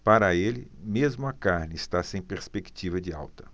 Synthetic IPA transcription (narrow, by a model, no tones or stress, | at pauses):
paɾɐelɪmezmʊɐkaɾnɪɪst̪asẽj̃peɾspekt͡ʃivɐd͡ʒɪa̰wt̪ɐ̥